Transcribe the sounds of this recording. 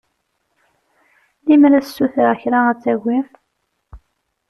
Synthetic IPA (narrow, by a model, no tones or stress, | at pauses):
limɾæssːuθɾaçɾaæt͡sːæɡʷːi